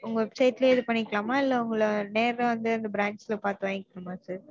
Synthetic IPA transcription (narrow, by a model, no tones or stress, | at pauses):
ʊŋɡɐʋɛpsɐɪʈleːðɯpɐɳːɪkːɐɭaːmaːɪlːɐʊŋɡɐɭɐneːɾɐʋɐnd̪ɯɐnd̪ɐbɾaːɳɖsɪlɐpaːɾt̪ɯʋaːŋɡɪkːɐnɯmaːsɐːɾ